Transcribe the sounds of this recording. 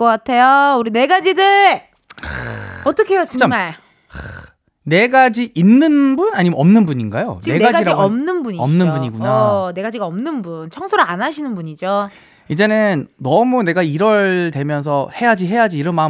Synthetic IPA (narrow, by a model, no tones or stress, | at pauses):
ʌkatʰe̞jouɾine̞ɡad͡ʑidɯɭ | ʌt͈ʌkʰe̞jot͡ɕiamaɭ | ne̞ɡad͡ʑiʔinːɯnbunaɲimenʌmnɯnbuɲinɡajo̰t͡ɕieɡaɡaid͡ʑaiʌmnɯnbuɲiʌmnɯnbuɲiɡunane̞ɡad͡ʑiɡaʌmnɯnbunt͡ɕʰʌŋsʰoɾɯɭanaɕʰinɯnbuɲid͡ʑo | id͡ʑe̞nɯnːʌmune̞ɡaiɾʌɭtwe̞mjʌnsʰʌhe̞jad͡ʑiɦe̞jad͡ʑiːɾʌnma